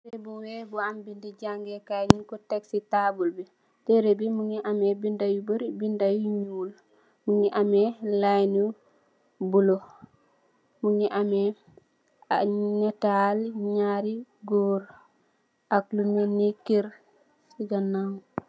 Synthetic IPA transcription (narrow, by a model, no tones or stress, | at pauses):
tebuwebuambindiɟaŋɡekaɲinkuteksitabulbi | teɾebimuŋiʔamebindajubuɾibindajuɲuːl | muŋiʔamelajnu | bulo | muɲiʔame | anatalɲaɾiɡoɾ | aklunenikeɾ | siɡanːaŋ